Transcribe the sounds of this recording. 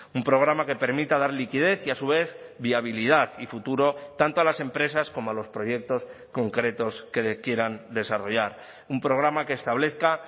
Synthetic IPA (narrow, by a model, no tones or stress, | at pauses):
umpɾo̞ɣ̞ɾamake̞pe̞ɾmit̪aðaɾlikiðe̞θiasuβ̞e̞θβiaβ̞iliðaθifut̪uɾo̞t̪ant̪oalase̞mpɾe̞sasko̞moalo̞spɾo̞je̞k̚t̪o̞s | ko̞ŋkɾe̞t̪o̞ske̞kje̞ɾand̪e̞saro̞ʝaɾ | umpɾo̞ɣ̞ɾamake̞ːst̪aβ̞le̞θka